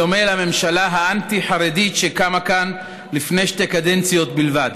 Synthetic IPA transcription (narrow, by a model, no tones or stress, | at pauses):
omelame̞mʃalaɦaʔant̪iħaɾedit̪ʃekamakan | lifne̞jʃte̞kad̪ent͡sijo̞t̪bilvad